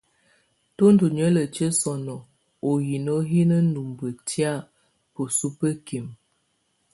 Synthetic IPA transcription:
to˦n˦du˨ɲə˦lə˨t͡ʃə˦sɔ˨nɔ˨ | o˨ji˨no˦ɦi˦nə˦nu˨mbə˨tja˦˨ | po˨su˦pə˦ki˨m

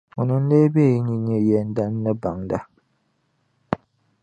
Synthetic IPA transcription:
ʊ˨nɨ˨˦n̩˦le˦be˦˨ji˦ɲi˦ɲɛ˦jɛ˦n˦da˦nː˦ɨ˦ba˨ŋda˦

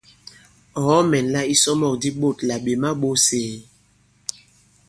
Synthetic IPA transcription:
hɔ˨˦mɛ˨nla˦i˦sɔ˦mɔ˦˨kdi˦ɓo˦˨tla˨ɓe˨ma˦ɓo˦seː˨

